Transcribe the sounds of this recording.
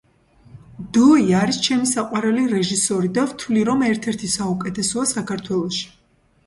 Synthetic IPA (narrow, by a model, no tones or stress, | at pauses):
d̪ɔiaɾist͡ʃʰɛmisaqʼwaɾɛliɾɛʒisɔɾid̪avt̪ʰvliɾɔmɛɾt̪ʰɛɾt̪ʰisaukʼɛt̪ʰɛsɔasakʰaɾt̪ʰwɛlˠɔʃi̥